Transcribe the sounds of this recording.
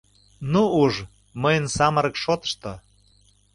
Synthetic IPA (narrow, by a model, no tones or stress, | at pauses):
nuuʒ | məjənsɑməɾəkʃot̪ə̥̆ʃt̪o